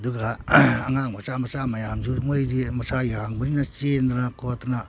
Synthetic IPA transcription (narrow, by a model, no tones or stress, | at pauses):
duɡaːŋaŋmasamasamajamd͡ʒumojdimasajahaŋbɯninat͡ʃendanakotana